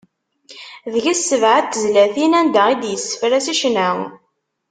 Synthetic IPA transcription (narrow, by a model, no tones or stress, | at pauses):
ðəʝæsːəvʕat̪ːəzlæθinænd̪æid̪jəsːə̥fɾæsiʃnæʁ